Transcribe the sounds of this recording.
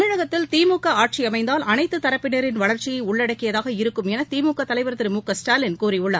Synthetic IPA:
nɪɻɐɣɐt̪ːɪlt̪iːmuːkːɐaːʈ̚t͡ʃiɐmɐɪnd̪aːlʔɐnɐɪt̪ːɯt̪ːɐɾɐpːɪneɾɪnʋɐɭɐɾt͡ʃɪjɐɪʊɭːɐɽɐkːɪjɐðaːɣɐɪɾɯkːɯmɛnɐt̪iːmuːkːɐt̪ːɐlɐɪʋɐɾt̪ːɪɾɯmuːkːɐsʈaːlɪnkuːriʊɭːɐ

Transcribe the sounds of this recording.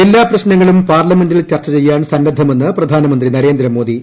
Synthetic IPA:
elːaːprɐɕnɐŋːɐɭumpaːrlɐme̞ndilt͡ɕɐrt͡ɕːɐt͡ɕe̞jːaːnsɐnɾɐd̪ʱːɐme̞nːɨprɐd̪ʱaːnɐmɐnd̪rinɐɾe̞ːnd̪ɾɐmo̞ːd̪i

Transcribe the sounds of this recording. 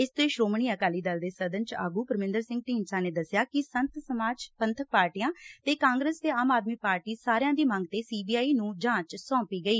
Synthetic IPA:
ɪst̪eːʃɾoːmɳ̃iːəkaːliːd̪əld̪eːsəd̪ənt͡ʃa̰ːɡuːpəɾmɪ̃nd̪əɾsɪ̃ŋɡ̚ʈiːnsãːneːd̪əsjaːkɪsənt̪səmaːd͡ʒpənt̪ʰək̚paːɾʈiːjãːt̪eːkãːŋɡɾəːst̪eːaːmaːd̪miːpaːɾʈiːsaːɾejãːd̪iːmə̃ŋɡ̚t̪eːsiːbiːaːiːnũːd͡ʒãːt͡ʃsɔ̃ːpiːɡəiː

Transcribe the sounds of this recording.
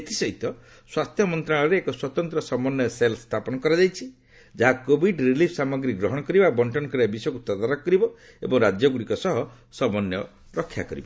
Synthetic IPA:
et̪isɔɦit̪ɔ | swast̪ʰjɔmɔnt̪ɾaɭɔɾeːkɔswɔt̪ɔnt̪ɾɔsɔmɔnjɔselst̪ʰapɔnɔkɔɾad͡ʒajt͡ʃʰi | d͡ʒaɦakobiɖɾilipʰsamɔɡɾiɡɾɔɦɔɽ̃ɔkɔɾibabɔɳʈɔnkɾiabisɔjɔkut̪ɔd̪aɾɔkkːɔɾibɔ | ḛbɔŋɾad͡ʒjɔɡuɽikɔsɔɦɔ | sɔmɔnjɔ | ɾɔkʰːja̰kɔɾḭbɔ

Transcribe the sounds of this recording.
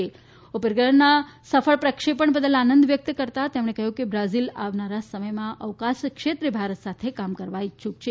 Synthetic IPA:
e | opeɾɡəɭənasəfʰəɭpɾəkʂepəɳbəd̪əlanənd̪ʋjək̚t̪kəɾt̪at̪emɽ̃ekəɦjũkebɾazilaʋnaɾasəməjmãʔəʋkaskʂʃet̪ɾəbʱaɾət̪sat̪ʰekamkəɾʋaiʃʰukt͡ʃʰe

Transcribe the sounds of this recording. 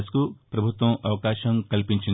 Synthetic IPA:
skupɾɐbʱut̪ʋɐ̃ʔɐʋkaːʃɐ̃ŋkɐlpĩɲt͡ʃi

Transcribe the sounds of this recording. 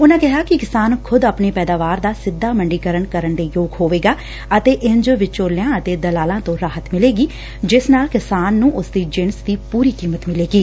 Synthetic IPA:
ʊnãːkɪɦaːkɪkɪsaːnkʰʊd̪aːpɳeːpɛːd̪aːʋaːɾd̪aːsɪd̪ːaːməɳɖiːkəɾəɳkəɾəɳd̪eːjoːɡɦoːʋeːɡaː | ət̪eːʔɪnd͡ʒʋɪt͡ʃoːɾljãːət̪eːd̪əlaːlãːt̪õːɾaːɦət̪mɪleːɡiː | d͡ʒɪsnaːlkɪsaːnːũːʔʊsd̪iːd͡ʒɪnsd̪iːpuːɾiːkiːmət̪mɪleːɡiː

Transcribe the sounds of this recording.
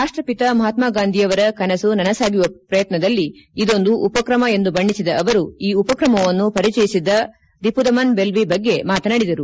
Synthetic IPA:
ɾaːʂʈɾɐpit̪ɐmɐɦaːt̪maːɡaːnd̪ʱijɐʋɐɾɐkɐnɐsunɐnɐsaːɡuʋɐpɾɐjɐt̪nɐd̪ɐlːiː | d̪o̞nd̪uʔupɐkɾɐmɐe̞nd̪ubɐɳːisid̪ɐʔːʋɐɾuiːupɐkɾɐmɐʋɐnːupɐɾit͡ʃɐjisid̪ːɐ | d̪ipud̪ɐmɐnbe̞lbibɐɡːe̞maːt̪ɐnaːɽid̪ɐɾu

